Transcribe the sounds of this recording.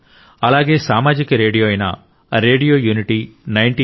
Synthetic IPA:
ɐlaːɡe̞ːsaːmaːd͡ʒikɐɾe̞ːɽijoːɐjnɐ̰ | ɾeːɖijo̞ːjuːniʈinɐjɳʈi

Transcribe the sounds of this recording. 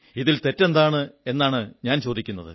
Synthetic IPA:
iðilt̪e̞tːend̪aːɳɨe̞nːaːɳɨɲaːnt͡ɕo̞ːd̪ikʲːunːɐ̰ðɨ̰

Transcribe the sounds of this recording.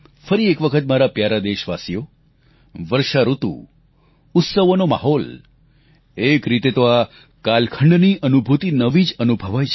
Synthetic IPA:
fəɾiekʋəkʰət̪maɾapjaɾad̪eʃʋasijo | ʋəɾʃaɾut̪ṵ̃ | ʊt̪səʋonoma̰ɦɔl | ekɾit̪et̪oa | kalkʰəɳɖniʔənubʱut̪inəʋid͡ʒənubʱəʋajt͡ʃʰ

